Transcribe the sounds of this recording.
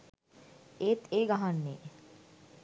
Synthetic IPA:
eːt̪eːɡaɦanːeː

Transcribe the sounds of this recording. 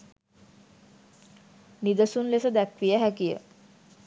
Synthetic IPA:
nid̪əsunlesəd̪ækʋijəɦækijə̰

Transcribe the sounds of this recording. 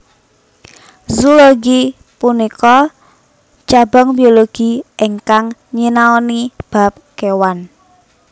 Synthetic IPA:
zuloɡi | punikɔ | t͡ʃabɔ̤ŋbioloɡ̥i̤ʔeŋkaŋɲinaɔnib̥a̤p̚kewan

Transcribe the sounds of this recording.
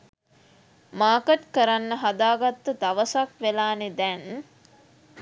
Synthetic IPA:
maːkəʈkəɾanːəɦad̪aːɡat̪ːəd̪aʋəsakʋelaːned̪ɛn

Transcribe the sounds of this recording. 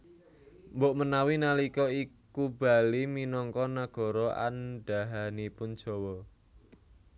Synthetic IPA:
mboʔmənawinalikɔikub̥a̤liminɔŋkɔnaɡ̥ɔ̤ɾɔʔa̰nɖ̥aɦanipʊnd̥ʒ̥ɔ̤wɔ

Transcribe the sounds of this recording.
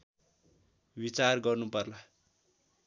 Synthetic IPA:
bit͡sarɡʌrnupʌrla

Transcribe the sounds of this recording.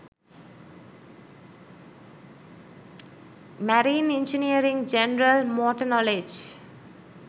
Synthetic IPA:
mæɾiːnɪ̃nd͡ʒiniəɾĩŋd͡ʒenɾəlmɔːʈənɔled͡ʒ

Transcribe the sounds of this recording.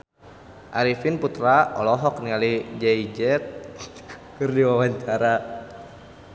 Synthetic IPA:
ʔaɾifinput̪ɾaɔlɔɦɔk̚nialid͡ʒaid͡ʒɛt̪̚ | kɨrdiwawaɲt͡ʃaɾa

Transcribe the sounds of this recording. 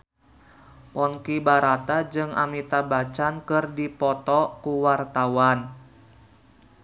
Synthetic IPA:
pɔnkibaɾat̪ad͡ʒɨŋa̰mit̪abat͡ʃankɨrdipɔt̪ɔkuwart̪awan

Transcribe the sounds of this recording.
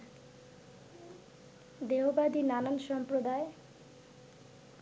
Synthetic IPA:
d̪eɦobad̪inananʃɔmpɾod̪ae

